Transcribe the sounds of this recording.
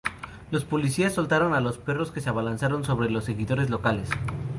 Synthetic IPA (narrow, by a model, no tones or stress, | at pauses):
lo̞spo̞lisiasːo̞lt̪aɾo̞nalo̞spe̞ro̞ske̞seaβalansaɾo̞nso̞β̞ɾe̞lo̞sːe̞ɣiðo̞ɾe̞zlo̞kale̞s